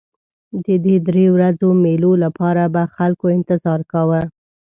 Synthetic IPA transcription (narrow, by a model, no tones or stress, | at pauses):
d̪əd̪ed̪ɾewɾazomelolapɑɾabaxalkoɪnt̪ɪzɑɾkawə